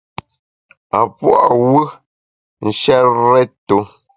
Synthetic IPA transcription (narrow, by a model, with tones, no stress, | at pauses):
a˨pwɔ̰˦˨wə˦ | n̩˨ʃɛ˦ɾɛ˦to˨˦